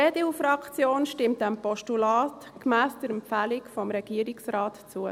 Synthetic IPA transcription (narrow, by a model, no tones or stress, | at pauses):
ɛdɪwfɾɑkt͡sjoːnʃtɪmt̚dæmpɔʃtulɑːtkmæːsd̥əɾɛmpfæːlikfɔmɾɛɡ̥iəɾiksɾɑːtt͡suə